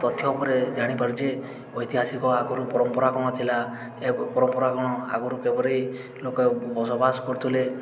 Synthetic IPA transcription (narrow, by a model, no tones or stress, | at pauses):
t̪ɔt̪ʰjɔɔpɔɾed͡ʒaɽ̃ipaɾd͡ʒe | ɔjt̪iɦasikɔaɡɔɾupɔɾɔmpɔɾakɔɽ̃ɔt̪ʰila | epɔɾɔmpɔɾakɔɽ̃ɔa̰ɡɔɾukebɔɾej | lokɔbɔsɔbasɔkɔɾt̪ʰile